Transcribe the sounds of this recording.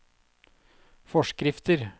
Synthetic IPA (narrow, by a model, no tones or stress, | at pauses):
fɔʃkɾɪft̪əɾ